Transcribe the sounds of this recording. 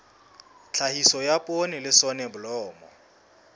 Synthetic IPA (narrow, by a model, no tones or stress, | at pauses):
t͡ɬʰahisɔjapʼonɪlɪsɔnɛbʊlɔːmɔ